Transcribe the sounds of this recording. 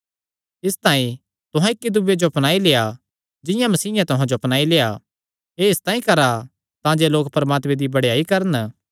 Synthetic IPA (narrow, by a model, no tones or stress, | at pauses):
ɪst̪aːĩ | t̪ʊɦãɪkːid̪ʊbjed͡ʒoɐpnaːileːa | d͡ʒɪjãmɐsiːjãt̪ʊɦãd͡ʒoɐpnaːileːa | eɪst̪aːĩkɐɾa | t̪ãːd͡ʒeloːk̚pɾɐmaːt̪mẽd̪ibɐɽjaːikɐɾən